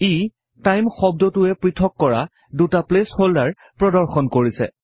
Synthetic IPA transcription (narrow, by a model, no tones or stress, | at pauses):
i | tajmxɔb̚dɔtʊɛpɹitʰɔkːɔɹa̰ | dutaplesholdaɹ | pɹɔdɔɹxɔnkoɹisɛ̰